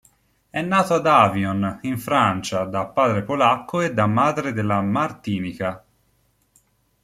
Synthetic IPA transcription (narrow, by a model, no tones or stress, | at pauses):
ɛnːaːt̪oad̪aːvioniɱfɾant͡ʃad̪apːaːd̪ɾepolakːoed̪ːamːaːd̪ɾed̪elːamart̪iːnika